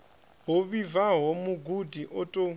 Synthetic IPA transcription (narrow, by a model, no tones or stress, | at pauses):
ɦoβivaɦomuɡudiʔɔtʼo